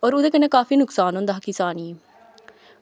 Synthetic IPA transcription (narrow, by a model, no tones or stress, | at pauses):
ɔːɾʊd̪eːkənːeːkaːfiːnʊksaːnɦõːnd̪aɦakɪsaːniː